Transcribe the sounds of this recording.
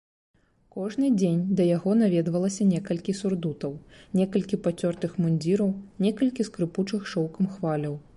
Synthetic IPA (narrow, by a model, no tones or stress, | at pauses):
kɔʐnɨd͡zʲenʲd̪ɐjaɣɔnavʲɛd̪vɐlˠɐsʲɐnʲɛkɐlʲkʲisurd̪ut̪ɐwnʲɛkɐlʲkʲipat͡sʲɔrt̪ɨxmunʲd͡zʲiɾɐwnʲɛkɐlʲkʲiskɾɨput͡ʂɨxʂɔwkɐmxvalʲɐw